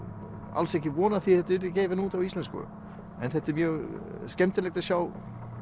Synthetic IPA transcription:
a̰lsɛhcɪvɔːnaðθiθɛt̪ɪɾɪcɛːjvɪnuːt̪awist̪lɛnskʏ̰ʏ̰ | ɛ̰nθɛt̪ːɪɾmjœːɣscɛmt̪ɪlɛkt̪asjaːw

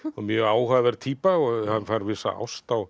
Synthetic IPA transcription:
ɔɣmjœːaːwhaðɛɾ̥t̪ʰiːpaɔhanːfaɾvɪːsa̰a̰wst̪aw

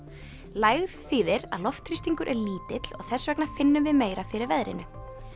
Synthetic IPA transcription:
laːjɣðθiːðɪɾa̰ðlɔft̪ʰɾist̪iŋkʏɾʔɛɾliːt̪ɪt̪l̥ɔɣθɛsvɛknḁfɪnːʏmvɪðmeːjɾafɪɾɪɾvɛðɾɪ̰nʏ

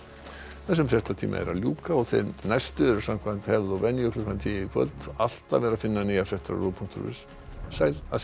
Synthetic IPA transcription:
θɛs̬ːʏmfɾjɛht̪at̪ʰiːma̰ɛ̰ɾaljuːkaɔɣθḛjnajst̪ʏɛɾʏ̥sam̥kʰvant̪hɛvðɔvɛnːjʏkʰlʏkvant̪ʰijɪifʰœ̰lt̪al̥t̪avɛːɾafɪnːaniːafɾjɛht̪a̰ropʰuŋ̥t̪ʏ̰ɾvɪ̰s | sajla̰

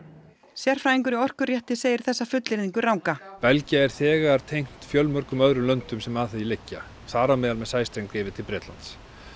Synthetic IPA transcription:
sjɛr̥fɾajiŋkʏɾiɔr̥kʏrjɛht̪ɪseːjɪɾ̥θɛsːafʏt̪lɪɾðiŋkʏrawŋkapɛlcaɛɾ̥θɛːɣaɾ̥t̪ʰejŋ̥t̪fjœlmœɾ̥kʏmœðɾʏlœnt̪ʏmsɛmaːθɪilɪcːa | θaːɾamɛːðalmɛðsaːjst̪ɾejŋkɪːvɪt̪ʰɪlpɾɛːt̪la̰nt̪s

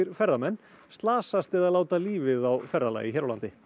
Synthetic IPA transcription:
ɪɾfɛɾðamɛnː | st̪laːsast̪ɛðalaːwt̪aliːvɪðawfɛɾðala̰jɪçɛɾawlant̪ɪ

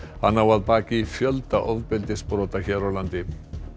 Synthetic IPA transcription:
ha̰nːawaðpaːcɪfjœlt̪aʔɔðpɪlt̪ɪspɾɔːt̪açɛːɾawlant̪ɪ

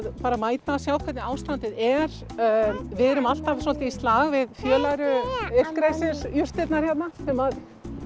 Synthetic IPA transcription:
ðpaːɾamaːjt̪asjaːwkʰvɛt̪nɪaːwst̪ant̪ɪðɛɾ̥ | vɪːðɛɾʏmal̥t̪avsɔlt̪ɪist̪laːɣvɪðfjœːlaɾʏɪfkɾajsɪɾjʏr̥t̪ɪt̪naɾ̥jɛt̪nasɛmað

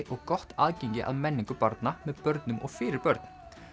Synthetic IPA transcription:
ʔɔɣkɔht̪aːðcɛɲcɪʔa̰ðmɛnːɪiŋkʏpaɾt̪namɛðpœɾt̪nʏmɔ̰ɣfɪːɾɪɾpœɾt̪n̥

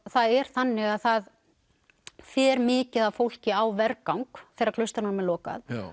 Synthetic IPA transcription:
θaðɛɾ̥θanːɪɣaðθað | fɛːɾmɪːcɪðaðfowl̥cɪawvɛɾkawŋkfɪɾakʰlœst̪aɾnanmɛlɔːka̰ð

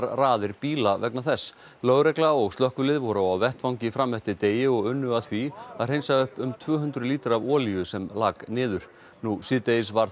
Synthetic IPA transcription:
ɾraːðɪɾpiːlavɛknaθɛsː | lœːɣɾɛklaɔɣst̪lœhkʏlɪðvɔɾaawvɛht̪fawŋɲcɪfɾamːɛht̪ɪt̪eːjɪɔɣʏnːʏaθviaðrejnsaʏhpʏmt̪ʰvœːɦʏnt̪ɾʏliːt̪ɪɾavɔːlijʏsɛmlaːknɪːðʏɾ̥ | nusɪːt̪ejɪsvaɾ

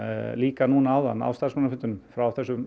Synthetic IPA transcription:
liːkanunaawða̰nːa̰wst̪arsmanafʏnt̪ʏnʏmfɾawθɛsːʏm

